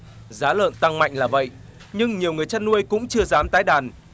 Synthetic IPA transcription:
zaː˨˦lə̰ː˧˨nt̪a˧ŋma̰˧˨jŋ̟laː˨˩və̰˧˨j | ɲɨ˧ŋɲi˨˩əwŋɨ˨˩əjt͡ɕaː˧nːu˧əjkʊ̰˧˥ŋ͡mt͡ɕɨ˧əzaː˨˦mt̪aː˨˦jɗaː˨˩n

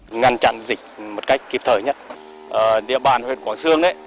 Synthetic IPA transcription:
ŋa˧nt͡ɕa̰˧˨nzï˨˩k̟̚mo˨˩t̚ka˦˥jk̟̚kːi˨˩p̚t̪ʰəː˧˩jɲə˦˥t̚ | ʔəː˨˩ɗḭ˧əɓaː˨˩nhwḛ˧˨nkwaː˧˩˦nsɨ˧əŋɗə˧˦

